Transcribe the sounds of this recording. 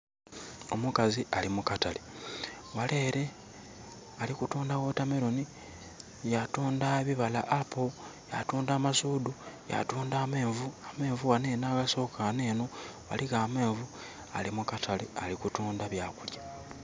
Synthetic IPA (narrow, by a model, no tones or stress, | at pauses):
o̞mukaziʔalimukatale | wale̞ːɾe̞ | alikutuːndaɣo̞tame̞ɾoni | jatuːndaeβiβala̰ʔapʰoja̰tuːndaːmasuːduja̰tuːndaːme̞ːɱvuame̞ːɱvuɣane̞ːnaːɣaso̞ːkaane̞ːno̞wa̰liɣaːme̞ːɱvu | a̰limukatʰalealikutuːndaβjaːkulja